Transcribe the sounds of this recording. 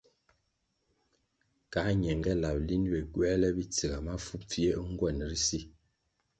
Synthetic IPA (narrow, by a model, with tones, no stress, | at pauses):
ka˨˦ɲɛ˨ŋɡɛ˦la˨p̚li˦n˦bɛ˨ɡwɛ˦lɛ˦bi˦t͡si˨ɡa˨ma˦fu˦p̚p͡fi˦e˦ʔŋ̩˦ɡwɛ˦˨nɾi˦si˦